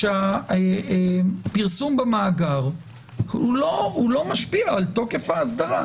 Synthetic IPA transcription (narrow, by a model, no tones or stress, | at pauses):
ʃea | piʁsumbamaːɡaʁ | hulohulo̞maʃpiaːlt̪o̞ke̞fhaːsd̪aʁa